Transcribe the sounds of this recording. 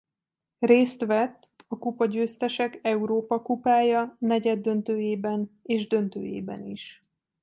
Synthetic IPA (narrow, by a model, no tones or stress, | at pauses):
reːst̪ʋɛt̪ːɒkupɒɟøːst̪ɛʃɛkɛuɾoːpɒkupaːjɒnɛɟɛd̪ːø̞nt̪øːjeːbɛneːʒd̪ø̞nt̪ø̰ːjḛːbɛ̰niʃ